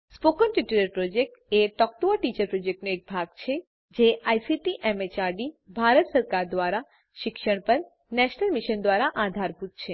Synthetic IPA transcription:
spokənʈiʈuɾəɾpɾod͡ʒek̚ʈeʈɔk̚ʈoʋəʈit͡ʃəɾpɾod͡ʒek̚ʈnoek̚bʱaɡt͡ʃʰe | d͡ʒeʔajsiʈiʔemet͡ʃaɾɖibʱaɾət̪səɾkaɾd̪ʋaɾa | ʃɪkʃəɳ̃pəɾ | nɛʃnəlmiʃənd̪ʋaɾaʔad̪ʱaɾbut̪̚t͡ʃʰe

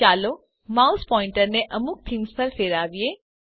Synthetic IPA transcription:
aːlo | maːʊspɔːɪ̃ɳʈəɾnẽʔɐmʊk̚t̪ʰɪmspɐɾfʰeːɾaːʋieː

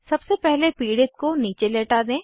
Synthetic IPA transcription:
sɐbsepɛɦlepiːɽɪt̪̚koniːt͡ʃeleːʈad̪ẽː

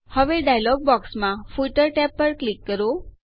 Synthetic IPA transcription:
həʋeɖajlɔɡ̚bɔksmãfuʈəɾʈɛpːəɾklikːəɾo

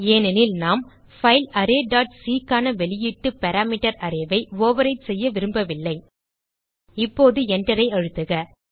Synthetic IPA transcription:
eːnɛnɪlnaːm | fɐɪlɐɾeːɖaːʈsiːkaːnɐʋɛɭɪjɪʈːɯpɛɾaːmɪʈɐɾɐɾɐʋɐɪʋoːʋɐɾɐɪsɛjːɐʋɪɾɯmbɐʋɪlːɐɪ | ɪpːoːðɯɛndɐɾɐɪɐɻɯt̪ːɯɣɐ

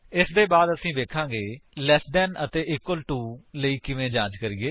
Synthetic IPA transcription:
ɪsd̪eːbaːd̪əsĩːʋeːkʰãːɡeːlɛːsɖɛːnət̪eːʔɪkːwəlʈuːləiːkɪʋẽːd͡ʒãːd͡ʒkəɾiːɡeː

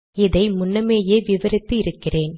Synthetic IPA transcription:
ɪðɐɪmʊnːɐmeːjeːʋɪʋɐɾɪt̪ːɯɪɾɯkːɪreːn

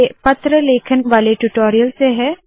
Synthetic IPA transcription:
pɐt̪ɾəleːkʰənʋaːleʈuʈoːɾijəlseɦɛː

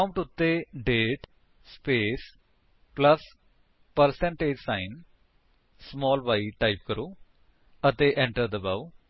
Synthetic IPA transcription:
aʊ̃ɳʈʊt̪ːeːɖeːʈ | speːs | pləs | pəɾsɛ̃ɳʈeːd͡ʒsaːɪn | smɔːlʋaːiʈaːip̚kəɾoː | ət̪eʔɛ̃ɳʈəɾd̪əbaʋ

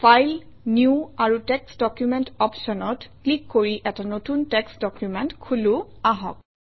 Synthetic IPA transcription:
fʰajl | niuaɹutɛksdɔkjumɛntɔpsɔnɔtklikːoɹiʔɛtanotuntɛksdɔkjumɛntkʰuluaɦɔ̰k̚

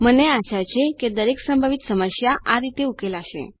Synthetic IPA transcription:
məneat͡ɕat͡ɕʰeked̪əɾeksəmbʱaʋit̪səməɕjaʔaɾit̪eukelaɕḛ

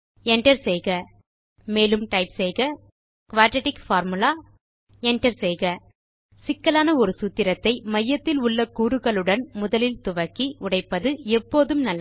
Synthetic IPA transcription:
ɛɳʈɐɾsɛjɣɐ | meːlɯmʈɐɪpsɛjɣɐ | kʋaːɾʈɛʈɪkfaːɾmɯlaː | ɛɳʈɐɾsɛjɣɐ | sɪkːɐlaːnɐɔɾɯsʊt̪ːɪɾɐt̪ːɐɪmɐjːɐt̪ːɪlʊɭːɐkuːɾɯɣɐɭɯɽɐnmʊðɐlɪlt̪ʊʋɐkːiʊɽɐɪpːɐðɯɛpːoːðɯmnɐlːɐ

